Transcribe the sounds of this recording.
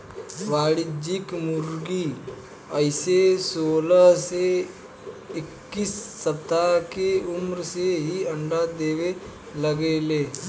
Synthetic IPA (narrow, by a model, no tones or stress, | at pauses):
ʋaːɽɪd͡ʒɪkmʊɾɡi | əɪsesoːlase | ɪkːisːəpt̪akeʊmɾseɦiɐ̃ɳɖad̪eːwe | ləɡeleː